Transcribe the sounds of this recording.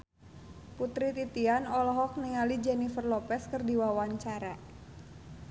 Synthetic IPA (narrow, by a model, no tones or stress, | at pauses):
put̪ɾit̪it̪ianɔlɦɔk̚niŋalid͡ʒɛnifərlɔpɛskɨrdiwawaɲt͡ʃaɾa